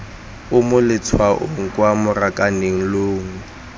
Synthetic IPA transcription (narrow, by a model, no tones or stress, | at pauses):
ʊmʊlɪt͡sʰwaʔʊŋ̩kʼwamʊrakʼaneŋ̩loːŋ̩